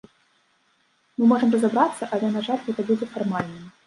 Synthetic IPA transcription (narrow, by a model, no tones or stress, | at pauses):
mɨmɔʐɨmrɐzabɾat̪sːɐʔalʲɛnaʐalʲɣɛt̪ɐbud͡zʲɛfarmalʲnɨ